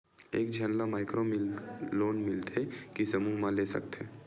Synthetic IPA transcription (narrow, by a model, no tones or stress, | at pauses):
eːkd͡ʒʱənlamaːɪkɾomɪloːnmɪlt̪ʰekisəmumãlesɐ̰k̚t̪ɦeː